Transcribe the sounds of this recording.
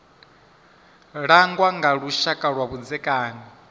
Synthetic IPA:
ɺaŋɡwaŋɡaɺuʃakʼaɺwaβud͡zɛkʼaːni

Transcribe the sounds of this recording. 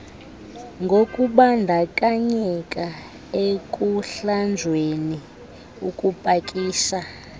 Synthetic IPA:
ŋɡʱokʼuɓandʱakʼaɲɛkʼa | ekʼuɬand͡zʱweni | ukʼupʼakʼiːʃa

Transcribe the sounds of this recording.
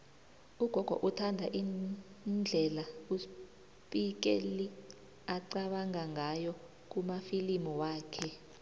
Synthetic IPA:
uɡ̥ʱɔɡ̥ʱɔ̰ʔutʰandʱaʔin | nd͡ɮʱɛlaus | pʼik̬ḛli | aǀaɓaŋaŋajɔ | k̬umafilimɔwaːkʰɛ

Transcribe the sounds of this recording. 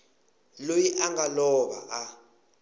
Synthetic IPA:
lojiʔaŋɡalɔɓa̰ʔa

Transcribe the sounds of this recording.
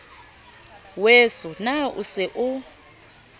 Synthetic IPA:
wɛsɔnaṵsɛʔu

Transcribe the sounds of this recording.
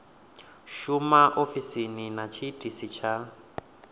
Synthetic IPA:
ʃumaʔofisininat͡ʃʰitʼisit͡ʃʰa

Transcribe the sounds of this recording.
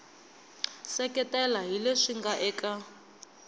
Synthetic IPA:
sɛkʼɛtʼɛlaɦileʂiŋɡaʔɛːkʼa

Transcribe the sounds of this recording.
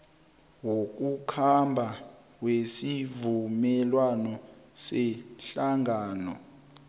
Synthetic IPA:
wok̬ʼukʰambʱa | wesivumɛlwanɔsɛɬaŋaːnɔ

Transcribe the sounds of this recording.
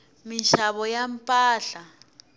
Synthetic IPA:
minʃaβɔjampʼaːɬa

